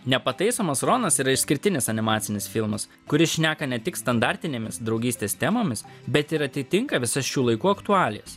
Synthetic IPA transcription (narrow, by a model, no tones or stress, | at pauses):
nʲɛpɐt̪ɐɪsoːmɐsɾoːnɐsiːɾɐɪʃʲsʲkʲɪɾʲt̪ʲɪnʲɪsɐnʲɪmɑːt̪sʲɪnʲɪsfʲɪlˠmɐs | kʊɾʲɪsʃʲnʲæːkɐnʲɛt̪ʲɪkst̪ɐnd̪ɑɾʲt̪ʲɪnʲeːmʲɪsd̪ɾɒʊɡʲiːsʲt̪ʲeːst̪ʲɛmoːmʲɪs | bʲɛt̪ɪɾɐt̪ʲɪt̪ʲɪŋkɐʋʲɪsɐsʃʲuːlˠɐɪkuːɐkt̪ʊɑːlʲɪjɛs